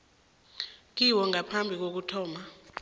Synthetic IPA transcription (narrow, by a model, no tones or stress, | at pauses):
k̬iwɔŋʱapʰambʱik̬ok̬utʰɔːma